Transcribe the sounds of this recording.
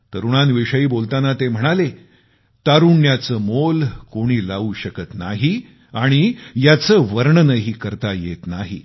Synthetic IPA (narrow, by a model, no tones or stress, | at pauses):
t̪əɾuɽ̃anʋiʂəiːbolt̪anat̪em̤əɽ̃ale | t̪aɾuɳːjat͡səːmolkoɽ̃iːlauːɕəkət̪naɦi | aɽ̃ijat͡səːʋəɾɳənəɦiːkəɾt̪ajḛt̪naɦi